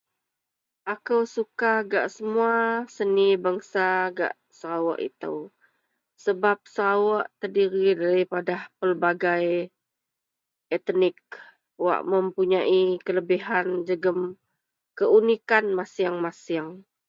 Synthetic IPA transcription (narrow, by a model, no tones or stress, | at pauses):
ʔakəwsukaɡaʔsəmuasənibaŋsaɡa̰ʔ | səɾawa̰ʔḭt̪ə̰w | səbap̚səɾawaʔt̪ərdiɾidaɾipadapərbaɡaj | ɛt̪nɪk̚ | wa̰ʔməmpuɲaʔikələbiɦand͡ʒəɡəm | kəunikanmasiaŋmasiaŋ